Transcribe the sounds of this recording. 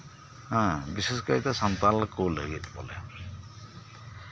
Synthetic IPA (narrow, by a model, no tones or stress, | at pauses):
ɦãbiseskaɹit̪asɔnt̪alkoləɡit̪bɔ̰lɛ̰